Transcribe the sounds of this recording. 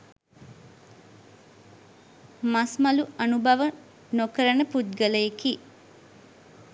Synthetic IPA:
masmɐluɐnubʱɐʋə | nokəɾənəput̪̚ɡələjeki

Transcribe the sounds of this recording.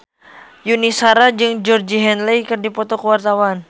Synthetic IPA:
junisaɾad͡ʒɨŋd͡ʒɔrd͡ʒiɦɛnlejkɨrdipɔt̪ɔkəwart̪awan

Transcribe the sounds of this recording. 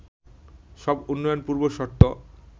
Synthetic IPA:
ʃɔbunːɔjonpuɾboʃɔɾt̪ːo

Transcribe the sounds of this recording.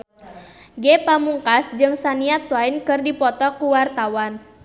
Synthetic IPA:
ɡɛpamuŋkasd͡ʒɨŋsaniat̪wainkɨrdipɔt̪ɔkuwart̪awan

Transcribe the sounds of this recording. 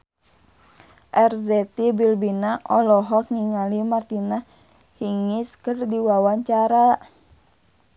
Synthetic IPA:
ʔɛrzɛt̪ibilbinaʔɔlɔɦɔk̚ŋiŋalimart̪inah | hiŋiskərdiwawaɲt͡ʃaɾa

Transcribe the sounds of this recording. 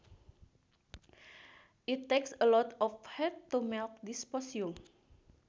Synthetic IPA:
ʔit̪ːeksəlɔt̪ɔfhɛt̚t̪umɛlk̚dispɔsjum

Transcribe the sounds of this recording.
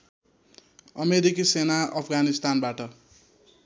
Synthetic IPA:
ʌmeɾikisenaʌpʰɡanist̪anbaʈʌ

